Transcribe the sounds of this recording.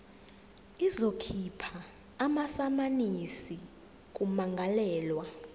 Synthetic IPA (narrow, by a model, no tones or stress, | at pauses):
izokʰipʰaː | masamanisi | k̬ʼumaŋɡʱalɛːlwa